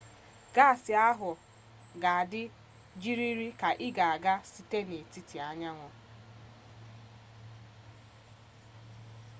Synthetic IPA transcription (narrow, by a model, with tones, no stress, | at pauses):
ɡ̥a˦˨sɪ˨a˦ɦʊ˨ | ɡa˨a˨dɪ˦ | d͡ʒi˦ɾi˦ɾi˦ka˨ʔɪ˦ɡa˨a˨ɡa˦si˦te˦ne˨ti˦ti˨a˦ɲa˦ŋʷɔ˦